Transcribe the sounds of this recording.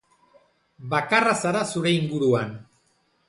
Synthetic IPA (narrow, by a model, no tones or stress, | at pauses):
bakarasaɾasuɾe̞iŋɡuɾuan